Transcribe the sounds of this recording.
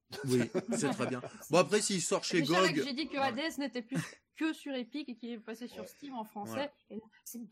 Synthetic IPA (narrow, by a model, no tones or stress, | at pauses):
wisɛt̪χɛbjɛ̃bɔ̃apχɛsiisɔʁʃeʒɡɔɡʒed̪ikəad̪eɛsnet̪ɛplykəsyʁepikkʲiɛpasesyʁst̪ivɑ̃fχɑ̃sɛ | elasɛ